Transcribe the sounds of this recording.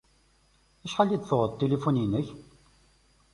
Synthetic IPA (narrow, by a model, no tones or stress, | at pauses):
æʃħalːid̪θoʁəðt̪ːelifuninəç